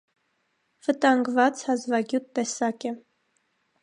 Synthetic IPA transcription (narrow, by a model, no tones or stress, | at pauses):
v̥ət̪ɑŋɡvɑt͡shɑzvɑɡjut̪ːɛsɑkɛ